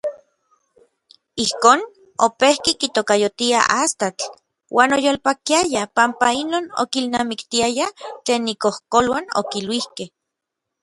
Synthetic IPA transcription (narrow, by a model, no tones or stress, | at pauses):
ihkoːn | opehkikit̪okajot̪ia̰ʔast̪at͡ɬ | wʔaːnojoːlpakiajapampainoːno̰kilnamikt̪iajat͡ɬeːnikohkolwano̰kilwihkeh